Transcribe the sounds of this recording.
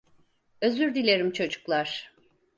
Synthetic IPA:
ø̞zyɾd̪ilʲe̞ɾimt͡ʃʰo̞d͡ʒuklˠaɾ̥

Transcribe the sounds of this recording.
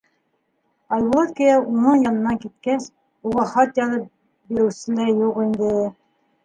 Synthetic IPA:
ɑlbulˠɑt̪kijɑʔunɤɴjɑnɤ̆nɑkit̪̚kæs | uʁɑχɑt̪jɑðɤp | biɾɘ̆wsɘ̆læjuqind̪ɘ

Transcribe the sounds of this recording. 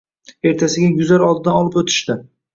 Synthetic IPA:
e̞ɾt̪ʰasɪɡʲajʊzlaɾɒlˠd̪ɪd̪anɒlˠɪpɵt̪ʰɪ̥ʃt̪ɪ

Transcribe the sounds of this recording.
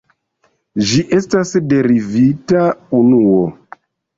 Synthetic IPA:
ʒiʔe̞stasde̞ɾivitaunuo

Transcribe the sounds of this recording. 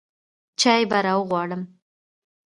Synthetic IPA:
t͡ʃɑjbaɾɑwəɣwɑɽəm

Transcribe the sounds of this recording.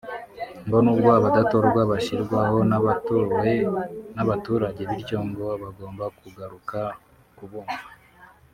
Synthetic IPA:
mbo̞nuːbɡoaβadatoɾɡwaβaʃiɾɡwaho̞ | naβatuːɾaɟe̞βiɾɟo̞ŋɡo̞βaɡo̞ːmbakuɡaɾuka | kuβoːmvva

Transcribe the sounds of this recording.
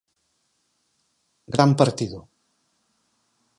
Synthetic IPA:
ɡɾampəɾt̪iðu

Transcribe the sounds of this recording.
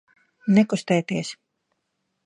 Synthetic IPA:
nɛkust̪ɛːt̪iɛs

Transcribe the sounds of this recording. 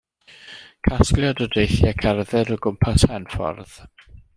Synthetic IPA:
kʰasklˠjadɔdejθjakʰarðɛɾɔɡʊmpʰasʰɛnfɔ̰rð̥

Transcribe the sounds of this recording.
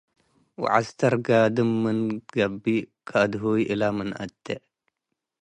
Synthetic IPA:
w̰ʕa̰st̪ɐɾɡaːd̪ɨmːɨnɡɐbːikʰaːd̪ɦoːiʔilamɨnʔɐ̰t̪ːe

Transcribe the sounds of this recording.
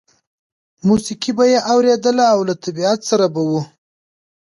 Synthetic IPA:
musikibajeʔawɾed̪əlaːwlat̪ʰabiat̪saɾabawu

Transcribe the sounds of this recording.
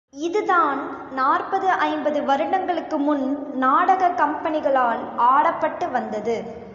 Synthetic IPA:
ɪðɯðaːn | naːrpɐðɯʔɐɪmbɐðɯʋɐɾɯɳɐŋɡɐɭɯkːɯmʊnnaːɽɐɣɐkɐmpɐnɪɣɐɭaːlaːɽɐpːɐʈːɯʋɐnd̪ɐðɯ

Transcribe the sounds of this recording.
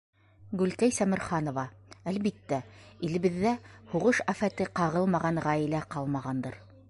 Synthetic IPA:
ɡʉlkæjsæmɘ̆ɾχɑnŏvɑælβit̪ːæilɘ̆βɘ̆ðːæhuʁɤʃæfæt̪ɘqɑʁɤlˠmɑʁɑɴʁæjɘ̆læqɑlˠmɑʁɑnd̪ɤ̰ɾ

